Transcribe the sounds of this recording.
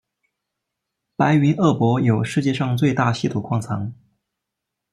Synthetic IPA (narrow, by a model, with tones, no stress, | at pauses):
pa˧˥ɪy˧˥nʔɤ˥˩pwɔ˧˥jo˨˩ʊʂɻ̩˥˧t͡ɕjɛ˥˧ʂɑ˥˧ŋt͡swe˥˧ɪt̪a˥˧ɕi˥˧t̪ʰu˨˩kʰwɑ˥˩ŋt͡sʰɑ̰˧˥ŋ